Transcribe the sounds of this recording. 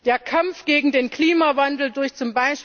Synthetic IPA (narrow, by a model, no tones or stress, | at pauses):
d̥eːɐkʰamfɡ̥eːɡŋ̩deːnkl̥iːmavandl̩dʊɐçt͡sʊmbaɪʃ